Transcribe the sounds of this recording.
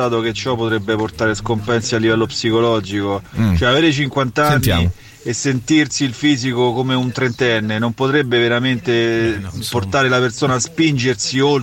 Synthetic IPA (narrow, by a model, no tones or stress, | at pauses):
aːt̪̬oket͡ʃːɔpːot̪ɾɛbːeport̪aːɾeskompɛnsialːivɛlːopsikolɔd͡ʒikot͡ʃoɛaveːɾet͡ʃiŋkwant̪anːja̰ | esːent̪irsiːlfiːzikokomeunt̪ɾent̪ɛnːenompot̪ɾɛbːeveɾament̪e | port̪aːɾelapersoːnaːspind͡ʒersiol